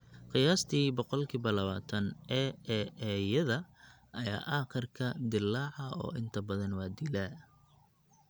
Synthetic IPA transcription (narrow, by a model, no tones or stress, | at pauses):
qɪjaːst̪ʰiːbɔqɔlkʰiβɐlɐβaːt̪ʰɐnɛɛɛjɐðɐ | ʔɐja̰ːʔɑːqɪrkʰɐd̪ɪlːɑːʕɑɔ̰ːʔɪnt̪ʰɐbɐðɐnwɑːd̪ilæː